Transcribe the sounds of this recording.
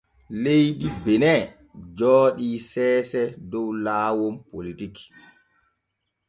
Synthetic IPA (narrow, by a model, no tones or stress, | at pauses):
lejɗibɛnɛ | d͡ʒɔːɗisɛːsɛdɔwlaːwɔmpolitik